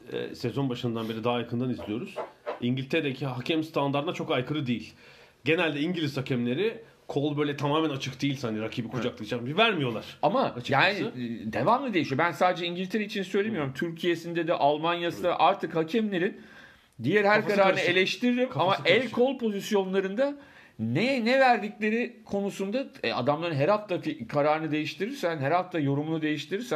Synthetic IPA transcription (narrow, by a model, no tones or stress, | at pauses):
ɛ̰sezo̞nbaʃɯnɯnd̪anbe̞ɾid̪aɦajakʰɯnd̪anizlʲijo̞ɾuz̥iɲɟilʲt̪ʰeɾeecʰiɦacʰɛmst̪ʰand̪aɾd̪nat͡ʃʰo̞kajkʰɯɾɯd̪ejilʲ | ɟe̞nælʲd̪ɛiɲɟilʲizhacʰɛmlʲe̞ɾɪ | kʰolˠbøjlʲɛt̪ʰamaːmænat͡ʃʰɯkd̪ejilʲsand̪iɾacʰiːbikʰud͡ʒaklˠɯkt͡ʃambivæɾmijo̞lˠaɾ̥amaat͡ʃjaːnɪd̪e̞vamlˠad̪e̞jiʃijo̞bænsaːd̪ed͡ʒɛiɲɟilʲt̪ʰeɾeit͡ʃʰinsøjlʲemijo̞ɾumt̪ʰyɾcʰijesind̪ɛd̪ɛʔalˠmanjasɯnd̪a̰ʔaɾt̪ʰɯkhacʰɛmlʲe̞ɾin | d̪ijæɾhæɾkaɾɾaːɾɯnɯe̞lʲɛʃt̪ʰiɾd̪imamaɛlʲkʰo̞lˠpʰo̞zisjo̞nlˠaɾɯnd̪a | nɛnɛvæɾd̪iclʲe̞ɾikʰo̞nusund̪aɛa̰d̪amlˠaɾɯnɦɛɾhaft̪ʰafikʰaɾaːɾɯnɯd̪e̞jiʃt̪ʰiɾiɾsænɦæɾhaft̪ʰajo̞ɾumunud̪e̞jiʃt̪ʰiɾiɾsæ